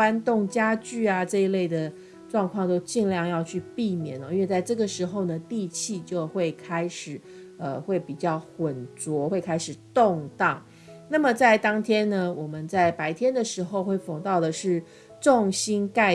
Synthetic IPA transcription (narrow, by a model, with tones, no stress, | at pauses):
a˥nt̪ʊ˥˩ŋt͡ɕja˥t͡ɕy˥˩a˩ʈ͡ʂɤ˥˧i˧˥le˥˩ɪd̪ə˩ | ʈ͡ʂwɑ˥˧ŋkʰwɑ˥˧ŋt̪o˥ʊt͡ɕi˥˧ŋljɑ˥˧ŋjɑ˥˧ʊt͡ɕʰy˥˧pi˥˩mjɛ̰˨˩˦nɔ˧i˥nwe˨˩t͡sa˥˧ɪʈ͡ʂɤ˥˩ɡə˩ʂɻ̩˧˥xo˥˧ʊnə˩t̪i˥˧t͡ɕʰi˥˧t͡ɕjo˥˧ʊxwe˥˩ɪkʰa˥ɪʂɻ̩˨˩˦ | ə˧xwe˥˩ɪpi˨˩t͡ɕjɑ˥˩ʊxwə˨˩nt͡swɔ˧˥xwe˥˩ɪkʰa˥ɪʂɻ̩˨˩t̪ʊ˥˧ŋt̪ɑ˥˩ŋ | na˥˩mə˩t͡sa˥˩ɪt̪ɑ˥ŋt̪ʰjɛ˥nnə˨wɔ˨˩mə˦nt͡sa˥˩ɪpa˧˥ɪt̪ʰjɛ˥nd̪ə˨ʂɻ̩˧˥xo˥˧ʊxwe˥˩ɪfo˨˩ŋt̪ɑ˥˩ʊd̪ə˩ʂɻ̩˥˩ | ʈ͡ʂʊ˥˩ŋɕi˥nka˥˧ɪ